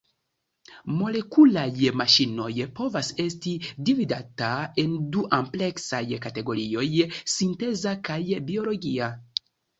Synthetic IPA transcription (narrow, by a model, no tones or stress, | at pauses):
mo̞le̞kulajmaʃino̞jpo̞vase̞stidividatae̞nduʔample̞ksajkate̞ɡo̞ɾio̞jsinte̞zakajbio̞lo̞ɡia